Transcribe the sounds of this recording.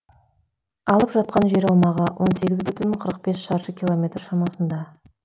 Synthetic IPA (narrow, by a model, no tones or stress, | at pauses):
ɑlˠəpʒɑt̪̚qɑnʒe̞ɾɑwmɑʁəwʔo̞nse̞ɡʲɪzbʏt̪ʏnqʰəɾəq̚be̞sʃɑɾʃəkʲʰilˠo̞mʲe̞t̪rʃɑmɑsənd̪ɑ